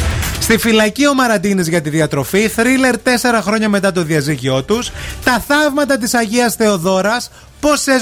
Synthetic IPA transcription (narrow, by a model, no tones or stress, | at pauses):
st̪ifilɐcio̞mɐɾɐd̪inizʝɐt̪iðiɐt̪ɾo̞fiθɾile̞ɾt̪e̞se̞ɾɐxɾo̞ɲɐme̞t̪ɐt̪̬o̞ðiɐziʝio̞t̪ust̪ɐθɐvmɐt̪ɐt̪̬isɐʝiɐsθe̞o̞ðo̞ɾɐs | po̞se